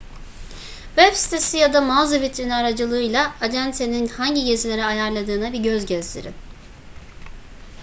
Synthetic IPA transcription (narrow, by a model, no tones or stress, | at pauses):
vɛpsi̥t̪ʰesijad̪amavzavit̪ɾinaɾad͡ʒɯlˠɯːjlˠaːd͡ʒænt̪eninhaɲɟiɟe̞zilʲe̞ɾɛajaɾlˠad̪ɯːnabiɟøzɟɛzd̪ʲḛɾɪ̰